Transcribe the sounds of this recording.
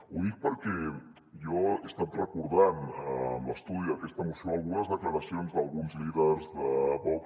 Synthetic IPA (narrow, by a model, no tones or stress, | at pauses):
uðik̚pəɾkɛ | jɔest̪at̪rəkuɾðanəmləst̪uðiəkɛst̪əmusjoalˠɣunəzðəkləɾəsionzðəlˠɣunzliðəɾzðəβɔ